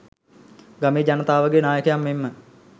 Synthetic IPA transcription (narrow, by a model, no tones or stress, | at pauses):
ɡameːd͡ʒanət̪aːʋəɡeːnaːjəkəjamːemːə